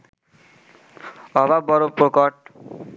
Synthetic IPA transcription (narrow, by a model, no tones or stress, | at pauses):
ʌbabʌɾopokʌʈ̚